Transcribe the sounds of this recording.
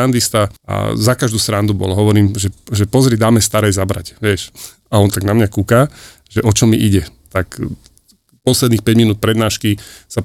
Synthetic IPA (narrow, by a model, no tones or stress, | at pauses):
and̪ist̪aʔa̰zakaʒd̪uːsɾand̪ubɔ̰lɔɦɔʋɔɾiːmʒɛʒɛpɔzɾid̪aːmɛst̪aɾɛjzabɾa̰cʋɛʃ | aɔnt̪aɡnamɲakuka | ʒɛʔɔt͡ʃɔmiʔiɟɛt̪ak | pɔslɛd̪niːxpɛɟminuːt̪̚pɾɛd̪naːʃkisa